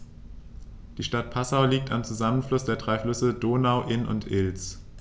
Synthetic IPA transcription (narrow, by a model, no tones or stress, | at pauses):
d̥iːʃtat̚pʰasaʊliːk̚tamt͡suzamənflʊsd̥eːɐdʁaɪflʏsədoːnaʊʔɪnʊ̰ntʰʔɪlt͡s